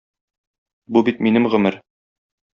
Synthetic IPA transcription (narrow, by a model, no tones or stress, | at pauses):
bubit̪minɘmʁɵ̆mɘɾ